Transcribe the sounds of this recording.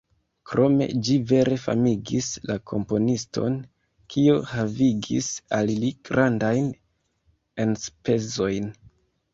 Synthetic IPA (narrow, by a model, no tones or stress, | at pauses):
kɾo̞me̞̰d͡ʒive̞ɾe̞fa̰miɡislakʰo̞mpo̞nisto̞n | kʰiohaviɡḭsalliɡ̥ɾandajn | e̞nspe̞zo̞jn